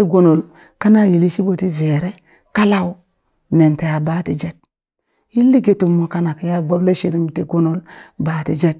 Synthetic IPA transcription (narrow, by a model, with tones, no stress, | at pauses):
e˦ɡo˦no˨l | ka˦na˦ji˨li˦ʃi˦bo˨ti˦ve˨ɾe˦ | ka˦la˦w | ne˨nta˨ja˨baː˦ti˨d͡ʒa˦t̚ | ji˦lːi˦ɡe˨tu˨mo˨ka˦na˨ka˨ja˦ɡo˦ble˦ʃi˨ɾi˦m˨te˨ɡo˦no˦lba˨ti˨d͡ʒa˦t̚